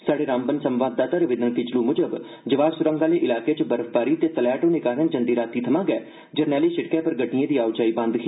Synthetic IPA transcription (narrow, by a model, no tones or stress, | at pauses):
saːɽeːɾãːmbənsəmʋaːd̪̚ːaːt̪aːɾɪʋɪd̪ənkɪt͡ʃluːmʊd͡ʒəb | d͡ʒəʋaːbsʊɾə̃ŋɡaːleːʔɪlaːkeːt͡ʃəbəɾəfbaːɾiːt̪eːt̪əlɛːʈoːneːkaːɾənd͡ʒənd̪iːɾaːt̪iːt̪ʰəmãːɡɛː | d͡ʒəɾnɛːliːʃɪʈkɛːpəɾɡəʈnijẽːd̪iːaːwd͡ʒaːiːbɐ̃nd̪kiː